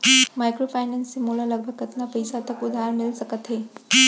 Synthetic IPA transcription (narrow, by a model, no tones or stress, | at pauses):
majkɾofʰajnənsimulaləɡ̚bʱəɡət̪napəjsat̪əkud̪ʱaɾmilsəkət̪ɦe